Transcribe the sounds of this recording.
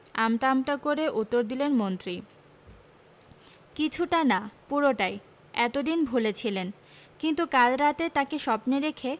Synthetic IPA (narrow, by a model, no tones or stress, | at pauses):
amʈ̪amʈ̪akoɾeʔut̪ːoɾd̪ilenmont̪ɾi | kit͡ɕʰuʈanapuɾoʈaj | ɛt̪od̪inbʱulet͡ɕʰilen | kint̪ukalɾat̪et̪akeʃɔpneɾekʰe